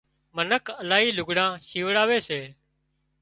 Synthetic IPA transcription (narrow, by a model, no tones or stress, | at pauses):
mənəkʰəlaːɦiːlʊɡɽãːʃiːʋɽaːʋeːseː